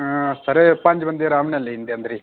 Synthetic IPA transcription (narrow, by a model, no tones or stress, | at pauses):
səɾeːpə̃ɲd͡ʒʋə̃nd̪eːɾaːmnɛːleind̪eːə̃nd̪əɾiː